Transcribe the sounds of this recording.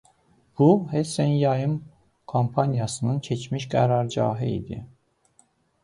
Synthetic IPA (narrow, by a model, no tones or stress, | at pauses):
b̥uhesænjɑjɯm | kʰompʰɑnijɑsɯnɯncʰet͡ʃʰmiʃɡæɾɑɾd͡ʒɑ̰ːɦɯḭd̪ḭ